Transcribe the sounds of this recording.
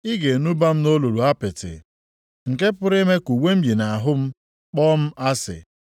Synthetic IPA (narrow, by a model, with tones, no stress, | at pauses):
ɪ˦ɡe˨nu˦ba˦m̩˦no˦lu˨ɾu˨a˦pɪ˨tɪ̰˨ | ŋ̩˨ke˦pʊ˦ɾe˦me˦ku˨wʷe˦m̩˦bi˨na˨a˨ɦʊ˦m̩˦ | k͡pɔː˦m̩˦ʔa˦sɪ̰˨